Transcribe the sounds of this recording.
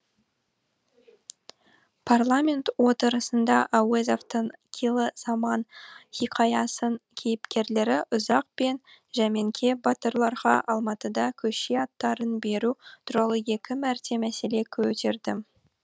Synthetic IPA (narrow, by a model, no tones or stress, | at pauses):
pʰarlˠamʲe̞nt̪wo̞t̪əɾəsənd̪ɑʔawezoft̪əɴkʲʰelˠɪzɑmɑnχiqʰɑjɑsəŋkʲʰe̞jɪpkʲe̞ɾle̞ɾɪʔʊzɑq̚pe̞nʒæme̞ŋkʲʰe̞bɑt̪əɾlˠɑɾʁɑ̰ʔɑlˠmɑt̪əd̪ɑkʲʰɵʃeɑt̪ːɑɾənbe̞ɾut̪ʰʊɾɑlˠəje̞kʲɪmæɾt̪ʰe̞mæse̞le̞kʲʰɵt̪e̞ɾd̪ɪ